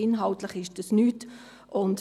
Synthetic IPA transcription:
ɪnɦɑltləχɪʃd̥ɑsnyːt | ʔʊnt

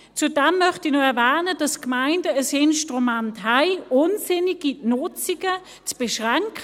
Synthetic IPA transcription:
t͡sudɛmːœχtinoɛɐvaːnədɑskmaɪndəːsɪnʃtʁumɛntɦaɪʊnsɪniɡ̥inʊt͡siɡə | t͡sb̥ɛʃʁaŋkʰ

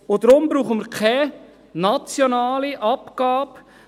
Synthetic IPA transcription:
ʊdɾʊmbɾuːχəməɾkʰɛ | nɑt͡sjonaːliʔɑpɡ̥ɑːp

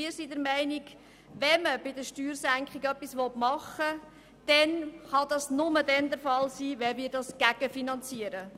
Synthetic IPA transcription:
ɪːɾsidəɾmɛɪnik | ʋɛməbɪdəɾʃtyːɾsæŋkχɪɡœpːisʋɔtmɑχə | d̥ɛnχɑdɑsnʊmədɛnd̪əɾfɑlsiːʋɛmɪːɾdɑsɡ̥æɡ̥əfinɑnt͡siəɾə

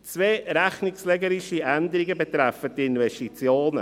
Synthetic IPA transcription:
t͡sveːɾæχnɪkslɛɡəɾiʃiænd̪əɾiɡəbɛt̪ɾɛfətːɪnvɛstit͡sjoːnə̰

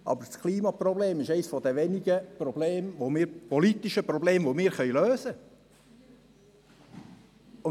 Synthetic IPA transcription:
ʔɑ̰bəɾskʰliːmɑprɔbleːmɪʃɛɪsfɔd̪əʋɛniɡəprɔbleːmʋomɪːɾpɔlit̪iʃəpɾɔbleːmvomɪːɾχœʏløːsə | ʊ

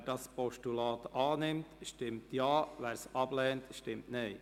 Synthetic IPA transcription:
dɑspɔʃtulɑːt̪ɑːnɪmt̪ʃtɪmt̪jɑːʋæːɾsɑb̥lɛːnt̪ʃtɪmtneɪ

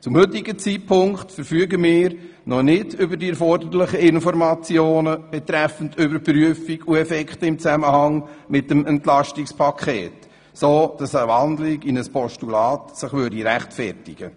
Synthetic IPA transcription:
t͡sʊmhʏt̪ːɪɡət͡siːt̚pʰʊŋktfəɾfyəɡəmɪːɾ | nɔnɪdʏbədiɛɾfɔrdəɾlɪχəɪnfɔɾmɑt͡sjoːnəb̥ɛt̪ɾɛfən̩dʏbəɾpɾyəfikuɛfɛkχtəɪmt͡sæməhɑŋmɪtəmɛntlɑʃtikspʰɑkʰḛːt | soːd̥ɑsəʋɑnd̪lɪɡinəspʰɔʃtulɑːt̪sɪχʋøːɾdiɾæχtfɛrtɪɡ̥ə

